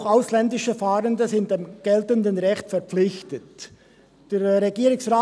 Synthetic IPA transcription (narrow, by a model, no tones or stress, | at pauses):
xaʊslɛndɪʃəfaːʁəndəzɪnt̚d̥emɡ̥ɛltəndənʁɛçtfɛɐp͡flɪçtət | d̥eːʁeɡiːɾʊŋsʁaː